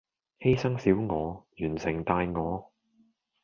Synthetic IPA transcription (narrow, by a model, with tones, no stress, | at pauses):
he˥jsɐ˥ŋsiː˨˥wŋɔː˨˧jyː˨˩nsɪ˨˩ŋt̪aː˧jŋɔː˨˧